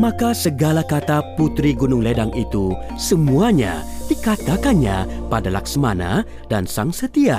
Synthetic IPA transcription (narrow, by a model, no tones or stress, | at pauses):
makasəɡalakat̪aput̪ɾiɡunʊŋledaŋit̪usəmuaɲa̰dikat̪akanɲa̰padala̰ksəmana̰ | dansaŋsət̪ia